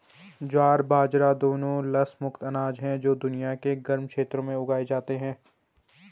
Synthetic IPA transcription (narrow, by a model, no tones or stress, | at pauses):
d͡ʒaːɾbʱaːd͡ʒɾad̪oːnõlɐsmʊkt̪ɐnaːd͡ʒɦɛ̃d͡ʒoːd̪ʊnijakeɡɐɾmkʃeːt̪ɾõmẽʊɡaːed͡ʒaːt̪eɦɛ̃ː